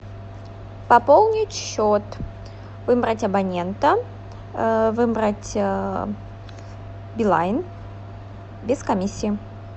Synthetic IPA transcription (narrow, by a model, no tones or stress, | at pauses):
pɐpolˠnʲɪtʲɕːot̪ | vɨbɾətʲɐbɐnʲent̪ə | vɨbɾətʲ | bʲɪlˠa̰jɪn | bʲɪskɐmʲisʲːiɪ